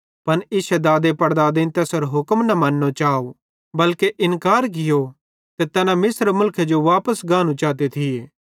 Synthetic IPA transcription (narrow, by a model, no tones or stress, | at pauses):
pɐnɪːsɛd̪aːd̪epɐɽd̪aːd̪ẽnt̪ɛːsɐɾɦʊkəmnɐmɐnːot͡ʃaːo | bɐlkeʔɪnkaːɾɡɪjo | t̪et̪ɛːnãmɪsɾmʊlkʰed͡ʒoʋaːpəsɡãːnũt͡ʃaːt̪̬et̪ʰɪeː